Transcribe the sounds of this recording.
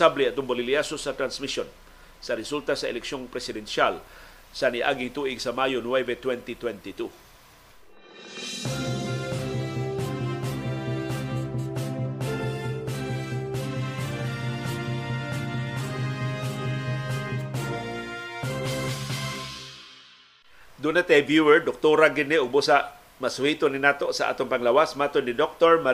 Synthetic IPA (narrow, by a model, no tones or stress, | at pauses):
ablɛɐt̪ʊŋboliliasosat̪ɾansmison | sɐɾɛsult̪asɐʔɛ̰lɛkʃoŋpɾɛsɪd̪ɛnʃal | saniʔa̰ɡɪŋt̪uʔɪɡsamajonwɛvɛt̪wɛnt̪it̪wɛnt̪it̪u | d̪ʊnat̪abjuwɛɹd̪ʊk̚t̪oɾaɡɪd̪nɪʊɡ̚busaʔ | masuhiːt̪ʊnɪnaːt̪oʔsaʔa̰ːt̪onpaŋlawasmaːt̪onːɪd̪ok̚t̪oɹma